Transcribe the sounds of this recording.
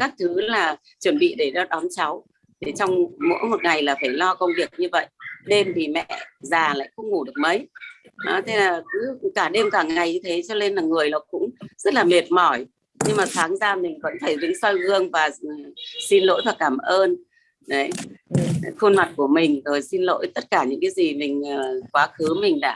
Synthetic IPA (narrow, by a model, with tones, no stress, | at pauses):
kaː˦˥k̚t̪ʰɨ˨˦laː˨˩ | t͡ɕwə˧˩nɓḭ˧˨ɗe˧˩ɗɔ˧ɗɔ˨˦nt͡ɕa˨˦w | ɗ̪e˨˩t͡ɕɔ˧wŋ͡mmo̰˧˥jmo˨˩t̚ŋa˨˩jlaː˨˩faː˧˩jlɔ˧kə˧wŋ͡mvi˨˩ək̚ɲɨ˧və̰˧˨jʔɗe˧mvi˨˩mɛ̰˧˨zaː˨˩la̰ː˧˨jxə˧wŋ͡mŋu˧˩ɗɨ˨˩ək̚mə˨˦jɗɔ˨˦t̪ʰe˧naː˨˩kɨ˨˦kaː˧˩ɗe˧mkaː˧˩ŋa˨˩jɲɨ˧t̪ʰe˨˦t͡ɕɔ˧le˧nlaː˨˩ŋɨ˨˩əjlɔ˨˩kʊ̰˧˥ŋ͡mzə˦˥t̚laː˨˩me˨˩t̚mɔ˧˩j | ɲɨ˧ŋmaː˨˩t̪ʰaː˨˦ŋzaː˧mï˨˩ŋ̟və̰˧˥nfaː˧˩jzḭ˧˥ŋsɔ˧jɣɨ˧əŋvaː˨˩˨si˧nlo̰˧˥jvaː˨˩kaː˧˩mʔəː˧n | ɗə˨˦j | xu˧nma˨˩t̚ku˧˩əmï˨˩ŋ̟zo˨˩jsi˧nlo̰˧˥jt̪ə˦˥t̚kaː˧˩ɲɨ̰˧˥ŋkaː˨˦jzi˨˩mï˨˩ŋ̟əː˨˩kwaː˨˦xɨ˨˦mï˨˩ŋ̟ɗa̰ː˧˩˨